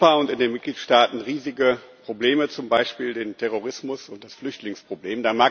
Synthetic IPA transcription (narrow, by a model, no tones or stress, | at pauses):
paʊntɪndeːnmɪt̚ɡ̥liːtʃtaːtn̩ʁiːzɪɡəpʁ̥obleːmət͡sʊmbaɪʃpiːldeːntʰɛʁ̞oʁ̞ɪsmʊsʊnt̚d̥asflʏçtlɪŋspʁ̥obleːmdaːmaː